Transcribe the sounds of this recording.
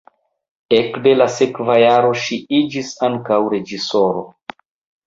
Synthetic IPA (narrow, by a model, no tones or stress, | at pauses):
ekde̞lase̞kvajaɾo̞ʃiid͡ʒisaŋkawɾe̞d͡ʒiso̞ɾo̞̰